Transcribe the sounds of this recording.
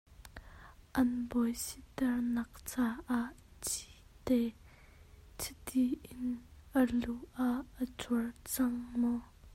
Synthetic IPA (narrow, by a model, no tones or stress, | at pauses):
ʔɐnbɔjsit̪ɛrnɐk̚t͡saʔaʔt͡sit̪ɛ | t͡sʰit̪iʔɪnʔəluʔaʔːət͡surt͡sɐŋmɔ